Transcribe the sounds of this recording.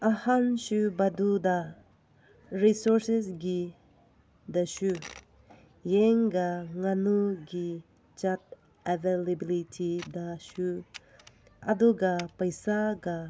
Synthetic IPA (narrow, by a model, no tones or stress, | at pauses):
ahansubaduda | ɾisɔɾsesɡi | dasu | jeŋɡaŋanuɡi | t͡ʃat̚ | evelebilitʰidasu | ɐ̰duɡapajsaɡa